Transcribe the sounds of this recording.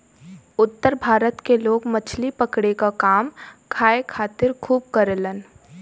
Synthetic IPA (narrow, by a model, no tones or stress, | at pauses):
ʊt̪ːəɾbʱaːɾət̪keloːɡmət͡ʃʰlipəkɽekakaːmkʰaːekʰaːt̪ɪɾkʰuːb̚kəɾlən